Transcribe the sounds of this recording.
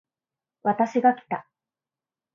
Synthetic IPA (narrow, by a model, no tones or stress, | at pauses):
βat̪aɕiɡakʲi̥t̪a